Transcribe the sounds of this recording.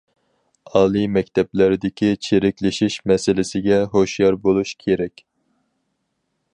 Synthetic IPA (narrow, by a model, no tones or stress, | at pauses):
ɑːlˠimɛkʲt̪ʰɛplɪɾɪd̪ɪkʲʰit͡ʃʰeɾɪkʲlɪʃiʃmɛsɪlɪsɪɡʲɛɦoʃjɑɾbolˠuʃkʲʰeɾɛkʲ